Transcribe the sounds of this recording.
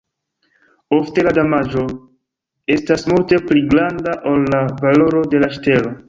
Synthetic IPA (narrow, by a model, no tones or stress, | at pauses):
o̞fte̞ladamad͡ʒo̞ | e̞stasmulte̞pliɡɾandaʔolːavalo̞ɾo̞de̞laʃte̞lo̞